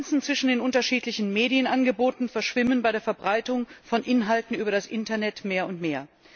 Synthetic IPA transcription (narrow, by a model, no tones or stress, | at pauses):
nsn̩t͡sv̥ɪʃn̩deːnʔʊntɐʃiːtlɪçn̩meːdijənʔanɡəboːtn̩fɛɐʃv̥ɪmənbaɪɾeːɐfɛɐbʁaɪtʊŋfɔnʔɪnɦaltn̩ʔyːbɐɾasʔɪntɐnɛtmeːɐʊntmeːɐ